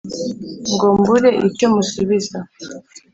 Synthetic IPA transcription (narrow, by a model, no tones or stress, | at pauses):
ŋɡombuɾe̞ʔicomusuβiza